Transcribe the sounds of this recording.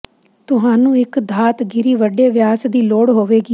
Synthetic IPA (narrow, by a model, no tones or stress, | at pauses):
t̪ʊɦaːnũːɪkd̪ʱaːt̪ɡɪɾiːʋəɖeːʋjaːsd̪iːloːɽɦoːʋeːɡiː